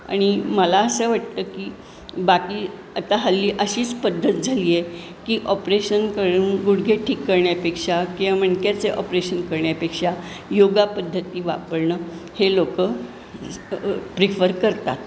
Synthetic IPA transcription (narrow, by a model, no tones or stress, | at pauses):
a̰ɽ̃iməlaəsəʋaʈt̪əːkiː | bakiː | ət̪aɦəlːiːʔəɕiːt͡spəd̪ʱːət̪d͡zʱaliːje | kiːʔɔpɾeɕənkəɾuːnɡuɽɡʱeʈʰiːkːəɾɳjapekʂakĩʋaməɳkjat͡seʔɔpɾeɕənkəɾɳjapekʂa | joɡapəd̪ʱːət̪iːʋa̰pəɾɳəːhelokəː | pɾifəɾkəɾt̪at̪̚